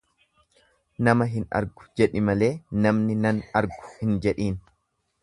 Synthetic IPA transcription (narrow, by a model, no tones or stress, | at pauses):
nɐmɐɦɪnɐ̰ɾɡʊ̥d͡ʒɛᶑɪmɐle̞ːnɐmnɪnɐnɐɾɡʊ̥hɪnd͡ʒɛᶑiːn